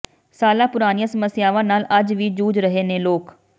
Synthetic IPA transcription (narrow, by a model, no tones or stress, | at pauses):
saːlaːpʊɾaːnijãːsəməsjaːʋãːnaːləd͡ʒʋiːd͡ʒuːd͡ʒɾəɦeːnẽːloːk